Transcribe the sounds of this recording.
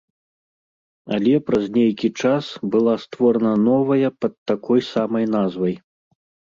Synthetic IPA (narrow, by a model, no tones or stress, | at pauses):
ɐlʲɛpɾɐzʲnʲejkʲit͡ʂasbɨlˠast̪vɔɾɐnɐnɔvɐjɐpɐt̪̚ːakɔjsamɐjnazvɐj